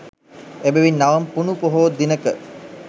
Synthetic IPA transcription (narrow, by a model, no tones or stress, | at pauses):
ebeʋinːaʋɐmpunupoɦoːd̪inəkə